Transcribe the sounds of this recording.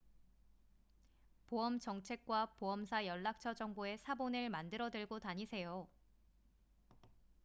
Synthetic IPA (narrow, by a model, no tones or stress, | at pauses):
poʌmt͡ɕʌŋt͡ɕʰe̞k̚k͈wapoʌmsʰajʌɭːak̚t͡ɕʰʌd͡ʑʌŋboe̞sʰabonɯɭmandɯɾʌdɯɭɡotaɲisʰe̞jo